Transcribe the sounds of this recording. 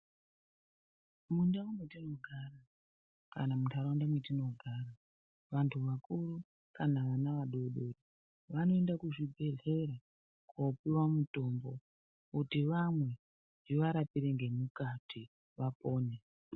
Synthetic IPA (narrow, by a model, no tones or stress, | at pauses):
mundawumwetino̞ɡʱara | ka̰namutʰaɾawundamwetino̞ɡʱaːɾa | ʋantʰuʋakuru | kanaʋanaʋaɗo̞ɗo̞ri | ʋano̞endakuʐibʱe̞ɮe̞ɾa | kwopiwamuto̞mbo̞ | utiʋamwe̞ | iʋaɾapiɾeŋɡe̞mukatʰi | ʋapo̞ːne